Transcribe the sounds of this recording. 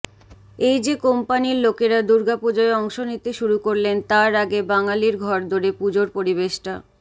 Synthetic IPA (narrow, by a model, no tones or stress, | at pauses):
ejd͡ʑekompaniɾlokeɾad̪uɾɡapod͡ʑɔeɔŋʃonit̪eʃuɾukoɾlent̪aɾaɡebaŋaliɾɡʱɔɾd̪ʱoɾepud͡ʑoɾpoɾibeʃʈa